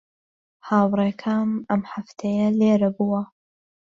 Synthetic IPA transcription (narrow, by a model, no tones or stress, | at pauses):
haːwɾˤeːkʰaːmʔɐmħaft̪ʰɐjɐleːɾɐbuwɐ